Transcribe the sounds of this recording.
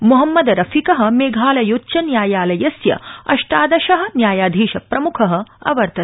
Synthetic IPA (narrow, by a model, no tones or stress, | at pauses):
muɦɐmːɐd̪ɐɾɐfikɐɦɐ̆meːɡʱaːlɐjotːʃɐnjaːjaːlɐjɐsjɐ̰ɐ̰ʂʈaːd̪ɐʃɐɦɐ̆njaːjaːd̪ʱiːʃɐpɾɐmukʰɐɦɐ̆ɐ̰ʋɐɾt̪ɐ